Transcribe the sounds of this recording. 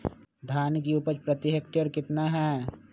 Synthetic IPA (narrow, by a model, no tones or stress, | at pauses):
d̪ʱaːnkiupəɾt͡ʃpɾət̪ɪɦekʈəɾkɪt̪naɦɛː